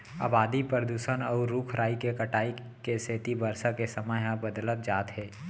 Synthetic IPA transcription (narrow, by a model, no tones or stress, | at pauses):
a̰ːbaːd̪ipəɾd̪uːsənɔːɾuːkʰɾʔaːikekəʈaːi | keseːt̪ibəɾsakesəməɦãbəd̪lət̪̚d͡ʒaːt̪ɦɛː